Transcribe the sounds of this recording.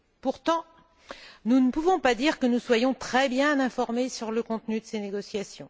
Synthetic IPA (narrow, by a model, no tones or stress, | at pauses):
puʁt̪ɑ̃ | nunəpuvɔ̃pad̪iʁkənuswajɔ̃t̪χɛbjɛ̃nɛ̃fɔʁmesyʁləkɔ̃t̪nyd̪əseneɡɔsjasjɔ̃